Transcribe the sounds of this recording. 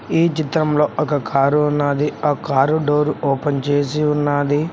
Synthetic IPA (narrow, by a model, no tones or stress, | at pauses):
iːt͡ʃit̪ɾɐmlo̞ːʔɔkɐkʰaːɾuunːaːd̪iaːkaːɾuɖoːɾuɔːpɐnt͡ʃe̞ːs̬iunːaːd̪i